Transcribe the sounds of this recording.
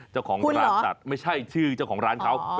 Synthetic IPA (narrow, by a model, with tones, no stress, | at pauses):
t͡ɕa˥˩wkʰɔː˩˦ŋ˧ɾaː˨˦t͡ɕa̰˨˩t̪̚ma˥˩jt͡ɕʰa˥˩jt͡ɕʰɯː˥˩t͡ɕa˥˩wkʰɔː˩˦ŋɾaː˦˥nkʰa˦˥w